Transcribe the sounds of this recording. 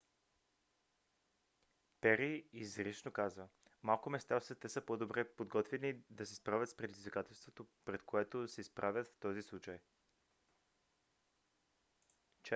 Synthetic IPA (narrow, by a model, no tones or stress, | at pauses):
pɛɾiizɾiʃnokazvəmalˠkʊmɛst̪asɛt̪ɛsəpod̪obɾɛpod̪ɡɔt̪vɛnid̪ɐsɛspɾavʲət̪spɾɛd̪izvikat̪ɛlˠst̪vot̪opɾɛt̪koɛt̪osɛispɾʔavʲɐt̪ft̪ɔzislˠut͡ʃaj | t͡ʃ